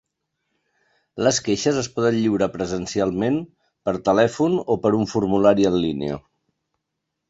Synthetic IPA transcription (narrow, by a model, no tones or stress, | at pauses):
ləskeʃəzəspɔðənʎiwɾəpɾəzənsialˠmen | pəɾt̪əlɛfunopəɾuɱfuɾmulaɾiənlinḛə̰